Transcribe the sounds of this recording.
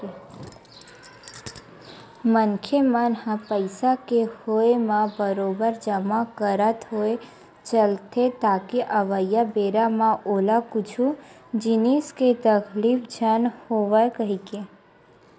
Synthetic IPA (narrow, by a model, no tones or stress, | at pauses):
mənkʰemənhãpəɪsakehoemãbəɾobəɾd͡ʒəmakəɾət̪ɦoe | t͡ʃəlt̪ʰet̪akiʔəʋəjːabeɾamãolakut͡ʃʰu | d͡ʒinisket̪əkʰlipʰd͡ʒʱənhoʋəkəɦike